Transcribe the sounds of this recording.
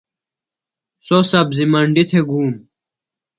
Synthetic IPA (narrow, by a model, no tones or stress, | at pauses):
sosɐbzimɐɳɖit̪ʰeɡuːm